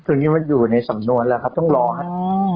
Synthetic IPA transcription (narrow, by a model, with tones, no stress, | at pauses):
t̪ʰo˧niː˦˥ma˧njuː˨˩na˧jsa˩˦mnu˧ənlɛː˧˩˧kʰa˦˥p̚t̪ɔ˥˩ŋɾɔː˧kʰa˦˥˩